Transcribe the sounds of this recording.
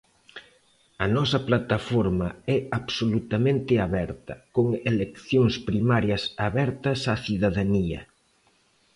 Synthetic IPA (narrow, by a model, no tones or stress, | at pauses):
ɐnɔsɐplat̪afɔɾmɐɛaβsolut̪ɐmẽnt̪ɪaβɛɾt̪ɐkoŋelekθjoŋspɾimaɾjɐsaβɛɾt̪ɐsaθiðaðaniɐ̰